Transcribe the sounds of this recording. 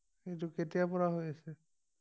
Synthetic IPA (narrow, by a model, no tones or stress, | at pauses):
xejt̬ʊketijapɔɹaɦojasɛ